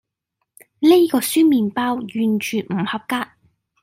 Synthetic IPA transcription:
le˥jkɔː˧syː˥miː˨npaː˧˥wjyː˨nt͡ʃʰyː˨m̩˨˩hɐ˨p̚kaː˧t̚

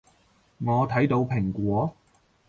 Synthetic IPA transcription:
ŋɔː˨˧t̪ʰɐ˨˥jt̪o˧wpʰɪ˨˩ŋkʷɔː˨˥

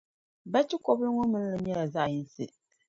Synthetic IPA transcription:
ba˦t͡ʃi˦kɔ˦blɨ˦ŋɔ˦mɨ˦n˦lɨ˨ɲɛ˦la˨za˦˨jɨ˦n˦sɨ̰˨

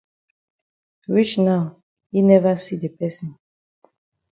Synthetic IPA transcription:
ɹi˦t͡ʃna˦ʊ | hi˨nɛ˦va˦si˦de˨pɛ˦sĩ˨n

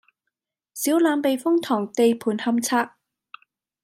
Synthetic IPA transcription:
siː˨˥wlaː˨˧mpe˨jfʊ˥ŋt̪ʰɔː˨˩ŋt̪e˨˧jpʰuː˨˩nhɐ˧mt͡sʰaː˧˥k̚

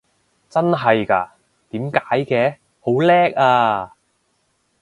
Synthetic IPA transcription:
t͡sɐ˥nɦɐ˨jka̰ː˧ | t̪iː˨˥mkaː˨˥jkɛː˧˥ | ho˨˥wlɛː˥k̚aː˧

